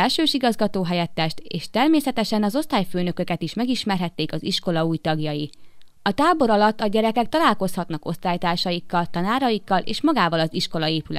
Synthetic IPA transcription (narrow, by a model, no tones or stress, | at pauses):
ɛlʃøːʃiɡɒzɡɒt̪oːɦɛjɛt̪ːɛʃt̪eːʃt̪ɛrmeːsɛt̪ɛʃɛnɒzo̞st̪aːjføːnø̞kø̞kɛt̪iʃmɛɡiʃmɛrɦɛt̪ːeːkɒziʃko̞lɒuːjt̪ɒɡjɒji | ɒt̪aːbo̞ɾɒlɒt̪ːɒɟɛɾɛkɛk̚t̪ɒlaːlko̞shɒt̪nɒko̞st̪aːjt̪aːʃɒjikːɒlt̪ɒnaːɾɒjikːɒlʔḛːʃmɒɡaːvɒlɒziʃko̞lɒeːpylɛ